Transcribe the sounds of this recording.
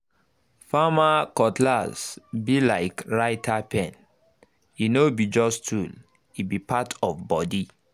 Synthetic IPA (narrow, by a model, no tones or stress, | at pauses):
famakɔtlazbilaɪkɹaɪtʰapʰɛ̃n | inobid͡ʒɔstʰul | ibipʰatʰɔfbɔdi